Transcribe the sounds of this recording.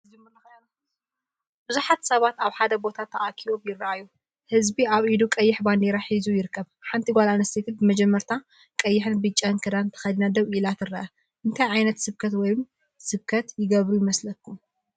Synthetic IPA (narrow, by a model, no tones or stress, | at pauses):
d͡ʒmɨɐ | bɨzuħat̪sɐβat̪aβħad̪ɐbo̞t̪ʰat̪ʰːɐʔakʰiβobjɪrʔajːu | hɨzbiaβʔid̪ukʼɐjːɪħband̪eɾaħizujɪɾɨkːɐβħant̪ʰiɡʷalanɐst̪ʰet̪ʰɨnbɨmɐd͡ʒɛmːɐɾt̪ʰa | kʼɐjːɪħɨnbɨt͡ʃʼːɐnkʰɐd̪ant̪ʰɐ̥xɐd̪inad̪ɐβʔilat̪ɨrːɐʔɐ | ʔɨnt̪ʰajʕajnɐt̪sɨβkʰɐt̪wɔjm | sɨβkʰɐt̪jɪɡɐβɾujɪmɐslɐkʰːum